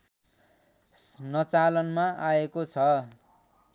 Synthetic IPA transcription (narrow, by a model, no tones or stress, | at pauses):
nʌt͡salʌnmaʔaekot͡sʰʌ